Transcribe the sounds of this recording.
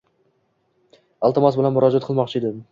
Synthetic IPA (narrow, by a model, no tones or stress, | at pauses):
ɒlˠt̪ɪmasbɪlanmʊɾɒd͡ʒat̪̚qʰɨlˠmɒqt͡ʃʰɪed̪ɪ